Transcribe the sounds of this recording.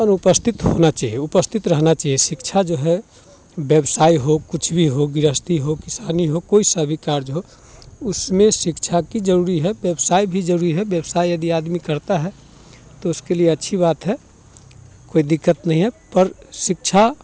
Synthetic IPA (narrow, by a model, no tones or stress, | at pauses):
ənʊpəst̪ʰɪt̪ɦo̰nat͡ʃaːɦieʊpəst̪ʰɪt̪ɾəɦnat͡ʃaːɦiesɪkt͡ʃʰad͡ʒoɦɛ | bjəbsaːiɦokʊt͡ʃʰbʱiɦoɡɪɾəst̪ʰiɦokɪsaːniɦokoːisəbʱikaːɾd͡ʒɦo | ʊsmẽʃɪkt͡ʃʰakid͡ʒəɾuːɾiɦɛbjəbsaːibʱid͡ʒəɾuːɾiɦɛbjəbsaːijəd̪iaːd̪mikəɾt̪aɦɛ | t̪oʊskelieɐtːʃʰibaːt̪ɦɛ | koːid̪ɪkːət̪nəɦĩɦɛpəɾsɪk̚t͡ʃʰa